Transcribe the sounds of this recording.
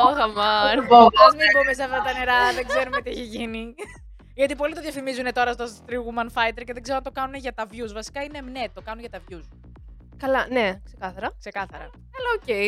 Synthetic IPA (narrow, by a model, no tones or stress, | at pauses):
oxɐmɐnoɐzmibumeseɐft̪ɐt̪ɐneɾɐðeɡze̞ɾumet̪ieçeʝini | ʝɐt̪ipo̞lit̪o̞ðʝɐfimizune̞t̪oɾɐst̪ost̪ɾiɣumɐnfɐjt̪eɾce̞ðeɡzeoɐnt̪okɐnuneʝɐt̪ɐvʝuzvɐsi̥kɐine̞mne̞t̪o̞kɐnunʝɐt̪ɐvʝus | kɐlɐnekse̞kɐθɐɾɐkse̞kɐθɐɾɐ̰ | ɐlɐocej